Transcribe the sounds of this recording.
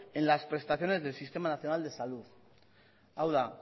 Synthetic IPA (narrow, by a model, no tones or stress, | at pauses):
enlaspɾe̞st̪aθjo̞ne̞zðelsist̪e̞manaθjo̞nald̪e̞saluθ | awða